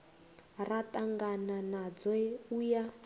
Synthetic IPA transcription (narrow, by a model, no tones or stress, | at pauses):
ratʼaŋɡananad͡zwɛuja